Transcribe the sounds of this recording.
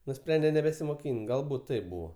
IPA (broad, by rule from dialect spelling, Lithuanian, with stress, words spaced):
nʊˈsʲpʲrʲɛnʲdʲɛ nʲɛbʲɛsʲɪmoːˈkʲiːnʲt ˈɡɐlˠbuːt ˈtɐɪp ˈbuːʋoː